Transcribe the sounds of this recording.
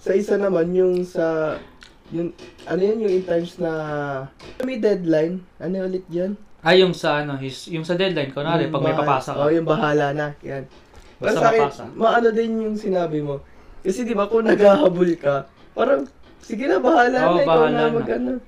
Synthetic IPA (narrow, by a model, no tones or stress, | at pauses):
sɐʔɪsanɐmanjʊŋsɐ | jʊŋʔɐnojanjʊŋɪnt̪ajmsnɐ | ɐmɛjd̪ɛd̪lajnʔɐnoʔʊlɛt̪̚d͡ʒɐnʔɐjʊŋsɐʔɐnohɪsjʊŋsɐd̪ɛd̪lajnkonaɾɛpɐɡ̚mɐjpɐapaːsɐʔojʊŋbɐɦaːlɐnɐ̰jan | ɐsaːkɪmɐʔɐno̞d̪ɪnjʊŋsɪnaːbɪmo̞kɐsɛd̪ɪbakʊŋnɐɡhaːɦɐbʊlkɐ | paːɾɐŋ | sɪɡɪnɐbɐhaːlɐɐɐɐmɐɡʔɐno